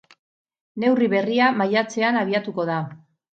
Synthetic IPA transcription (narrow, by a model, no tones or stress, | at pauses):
ne̞wriβe̞riamajat͡se̞anaβ̞iat̪uko̞ð̞a